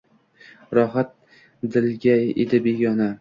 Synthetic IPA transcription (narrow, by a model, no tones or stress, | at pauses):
ɾɒɦat̪̚ | d̪ɪlɡʲajḛd̪ɪbeɡʲɒna